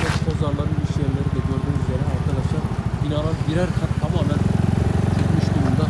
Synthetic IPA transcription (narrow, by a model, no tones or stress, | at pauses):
ɛpʰozaɾlˠaɾɯniʃjeɾlʲeɾid̪ɛɟøɾd̪ymyzeɾɛaɾt̪ʰɯlˠaʃabinaːlˠaɾɟiɾæɾkʰant̪ʰamaːmænt͡ʃʰykmyʃd̪uɾumd̪a